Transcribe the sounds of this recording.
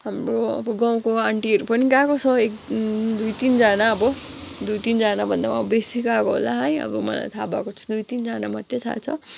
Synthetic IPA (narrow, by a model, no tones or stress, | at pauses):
ɦamroʌ̰bʌɡãw̃koaɳʈiʌɾupʌniɡakot͡sʰʌek̚d̪ujt̪ind͡zanaʌbʌ | d̪ujt̪ind͡zanabʱʌnd̪awãbesikakoɦo̰laɦʌjʌ̰bʌmʌ̰la̰jt̪ʰabakot͡sʰu̥d̪ujt̪ind͡zanamat̪jet̪ʰa̰t͡sʰʌ